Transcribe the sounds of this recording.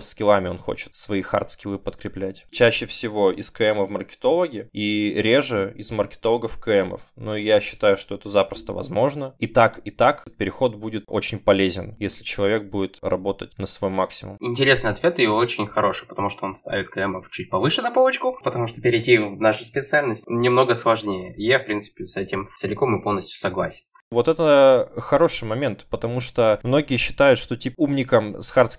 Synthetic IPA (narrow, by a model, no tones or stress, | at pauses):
skʲɪlˠamʲɪo̞nxo̞̰t͡ɕɪ̥t̪svɐixa̰rt̪skʲɪlˠɨpət̪kɾʲɪplʲætʲt͡ɕæɕːɪfsʲɪvo̞ɪskɨɛməvmərkʲɪ̥t̪o̞lˠəɡʲɪiɾʲeʐɨɪzmərkʲɪ̥t̪o̞lˠəɡəfkəɛmə̰fnojaɕːɪ̥t̪ajʊʂt̪o̞ɛt̪əzapɾəst̪əvɐ̰zmo̞ʐnəit̪akit̪akət̪̚pʲɪɾʲɪxo̞t̪budʲɪt̪o̞t͡ɕɪnʲpɐlʲezʲɪnjesʲlʲɪt͡ɕɪlˠɐvʲe̞k̚budʲɪt̪rɐ̰bo̞t̪ətʲnəsvɐjmːaksʲɪmʊ̰mɪnʲtʲɪɾʲe̞snɨjɐt̪vʲe̞t̪ɨɪot͡ɕɪnʲxɐɾo̞ʂɨjpət̪ɐmuʂt̪oo̞nst̪a̰ɪt̪̚klʲamət͡ɕut̚ʲpɐvɨʂɨnɐpovət͡ɕkʊpət̪ɐmuʂt̪opʲɪɾʲɪjtʲivvnaʂʊspʲɪt̪sɨalʲnəsʲtʲnʲɪmno̞ɡəslˠɐʐnʲejəjafpɾʲint̪sɨ̥pʲɪsɛtʲɪmsɨlʲɪko̞mɨpolˠnəsʲt̪ʲjʊ̥sɐɡlˠasʲɪ̥n | vo̞t̪ɛt̪əxɐɾo̞ʂɨjmɐmʲe̞nt̪pət̪ɐmuʂt̪omno̞ɡʲɪjəɕːɪ̥t̪ajʊt̪ʂt̪o̞tʲiumnʲɪkəmsxart̪sʲ